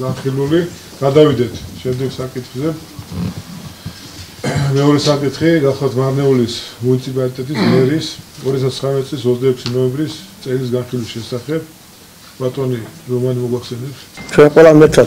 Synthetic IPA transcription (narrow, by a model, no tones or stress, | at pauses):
ɡanχiluli | ɡ̥ad̪avid̪ɛt̪ʰʃɛmd̪ɛɡsakʼit̪ʰχzɛ | mɛɔɾɛsakʼit̪ʰχiɡaχlˠat̪ʰmaɾnɛulismunit̪sʰipʼalit̪ʼɛt̪ʼismɛɾisɔɾiat̪ʰast̪sχɾamɛt̪isʼlis̬ɔzd̪aɛkʰsinɔɛmbɾist̪sʼɛlis̬ɡanχilwisʃɛsaχɛb̚ | b̥at̪ʼɔniɾɔmanimɔɡaχsɛnɛpt̪t͡ʃʰwɛnqʼwɛlˠamɛɾt̪ʰɾa